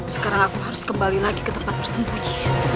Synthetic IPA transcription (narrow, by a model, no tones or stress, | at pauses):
sə̥kaɾaŋakuɦaɾʊskəmbalilaɡikət̪əmpat̪̚pərsəmbuɲi